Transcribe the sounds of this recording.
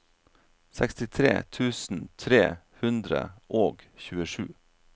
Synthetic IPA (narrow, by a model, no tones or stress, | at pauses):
sɛkst̪ɪt̪ʰɾḛːt̪ʰʉːsn̩t̪ʰɾeː | hʉnd̪ɾə̰ʔoːɡçʉːəʂʉ̰ː